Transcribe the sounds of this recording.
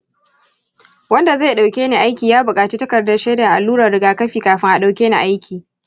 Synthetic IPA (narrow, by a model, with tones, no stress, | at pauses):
wɐ˦nda˨za˦˨ɗa˨wkʲeː˦neː˨ʔa˦jkʲiː˨jaː˦bʊ˨kʼaː˨t͡ʃiː˦tɐ˦kɐ˨rdɐ˦rʃeː˦da˨ʔa˨lːuː˦ɾɐ˨rːɪ˦ɡaː˨kɐ˦ɸiː˨kaː˨ɸɪ˦ŋʔa˨ɗa˨wkʲeː˦na˨ʔa˦jkʲiː˨